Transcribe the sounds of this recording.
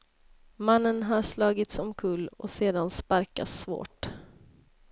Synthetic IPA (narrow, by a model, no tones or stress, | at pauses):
manːənɦaɾslɑːɡɪt̪sɔmkʰɵlːɔ̰seːd̪anspaɾka̰svo̰ːʈ